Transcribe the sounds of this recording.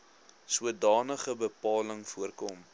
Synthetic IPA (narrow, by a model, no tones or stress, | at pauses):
suədɑːnəχəbəpɑːləŋfuərkɔm